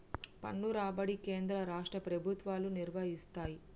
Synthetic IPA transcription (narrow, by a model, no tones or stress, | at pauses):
pɐ̰ɳːuɾaːbɐɽike̞ːnd̪ɾɐɾaːʂʈɾɐpɾɐbʱut̪ʋaːluniɾʋɐɦist̪aːji